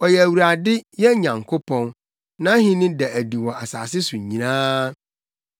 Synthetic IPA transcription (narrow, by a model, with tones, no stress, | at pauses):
ɔ˨jɛ˨æ˨wu˨ɾa˨dɪ˦jɛ˦ɲã˨ŋkʰo˦pʰɔ̃˦n | nã˦ɦĩ˦nɪ̃˦dɛ˨æ˨di˨wɔ˨a˨sa̰ː˨sɪ˦sʊ˨ɲĩ˨nãː˦